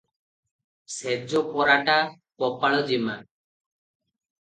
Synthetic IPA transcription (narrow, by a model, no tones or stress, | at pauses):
sed͡ʒɔpɔɾaʈa | pɔpaɭɔd͡ʒima